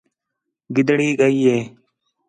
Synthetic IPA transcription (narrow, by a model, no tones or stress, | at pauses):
ɡɪd̪ɽiːkəiːeː